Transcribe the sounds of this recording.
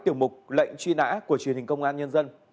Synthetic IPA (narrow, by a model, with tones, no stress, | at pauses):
t̪i˧˩əwmʊ˨˩k͡p̚lə̰˧˨jŋ̟t͡ɕwi˧na̰ː˧˥ku˧˩ət͡ɕi˧˩əni˨˩ŋ̟kə˧wŋ͡mʔaː˧nɲə˧nzə˧n